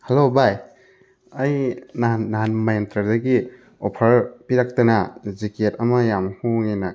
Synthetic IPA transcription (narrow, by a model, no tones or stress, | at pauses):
halobaj | ajnaːaɦanmajantʰaɾdaɡi | ɔpʰɐɾpiɾak̚tanaziketɐmajamhuŋina